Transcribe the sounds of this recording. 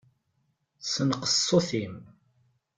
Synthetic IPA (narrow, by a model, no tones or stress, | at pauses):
sənqə̥sˤːoθim